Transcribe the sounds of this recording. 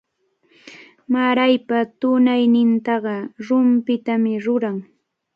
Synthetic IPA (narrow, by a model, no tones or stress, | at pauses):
maɾajpat̪ʊnajnɪnt̪ɑɢɑɾʊmpɪt̪amɪɾʊɾaŋ